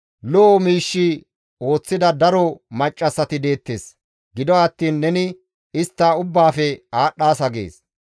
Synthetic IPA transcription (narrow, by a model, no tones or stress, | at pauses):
lɔːmiːʃːi | o̞ːt͡sːɪd̪ɐd̪ɐɾɔmɐt͡ʃʼːɐsːɐt̪ɪd̪e̞ːt̪ːe̞ːs | ɡɪd̪ɔɐt̪ːiːnːɛnɪ | ɪst̪ːaːʊbːaːfɛaːɗːaːsɐɡḛːs